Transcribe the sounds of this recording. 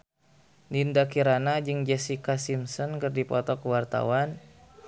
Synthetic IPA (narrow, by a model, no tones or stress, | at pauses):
nindakiɾanad͡ʒɨŋd͡ʒɛsikasimsɔnkərdipɔt̪ɔkəwart̪a̰wan